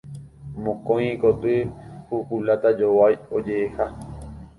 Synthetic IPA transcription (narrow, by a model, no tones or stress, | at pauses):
mõkõj̃kot̪ɨhuhulat̪ad͡ʒowajod͡ʒeeha